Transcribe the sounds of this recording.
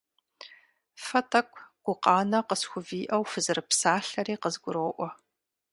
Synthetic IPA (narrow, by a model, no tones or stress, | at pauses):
fɐtʰɐkʷʰʼɡ̥ʷʊqɑːnɐqəsxʷʊviːʔɐwfɨzɨrɨpsaːɬɐɾiːqəzɡʷʊɾoːʔʷɔ